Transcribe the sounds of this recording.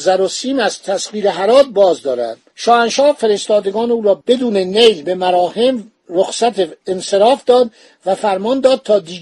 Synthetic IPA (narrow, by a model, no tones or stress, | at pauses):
zæɾosiːmæz̥t̪ʰæsʁiːɾeɦæɾɒːt̪̚bɒːzd̪ɒːɾæ̰nd̪̥ʃɒːænʃɒːhfe̞ɾe̞st̪ɒːd̪e̞ɡɒːneuːɾɒːb̥e̞d̪uːnenejlbe̞mæɾɒːhe̞m | roxsæt̪ʰeːnse̞ɾɒːfd̪ɒːd̪ | væfæɾmɒːnd̪ɒːd̪̚t̪ʰɒːd̪iː